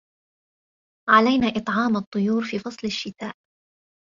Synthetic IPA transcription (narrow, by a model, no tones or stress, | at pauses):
ʕalajnaːʔɨt̪ˤʕɑːmɑt̪ˤːʊjuːɾfiːfɑsˤlaʃːɪt̪aːʔ